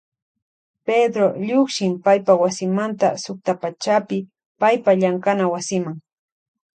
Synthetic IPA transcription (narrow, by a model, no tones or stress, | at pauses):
ped̪ɾoʎoχʃɪmpajpawasɪmant̪a̰sʊk̚t̪apat͡ʃapɪ | pajpaʎaŋkanawasɪmaŋ